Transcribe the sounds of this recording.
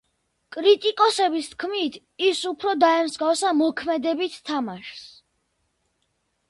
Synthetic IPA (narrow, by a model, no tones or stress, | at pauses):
kʼɾit̪ʼikʼɔsɛbist̪̚ʰkʰmit̪ʰ | isupʰɾɔd̪aɛmzɡafsamɔkʰmɛd̪ɛbit̪ʰt̪ʰːamaʃs